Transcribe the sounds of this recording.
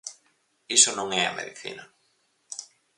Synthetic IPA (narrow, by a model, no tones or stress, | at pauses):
isonõŋɛa̰mḛðiθḭna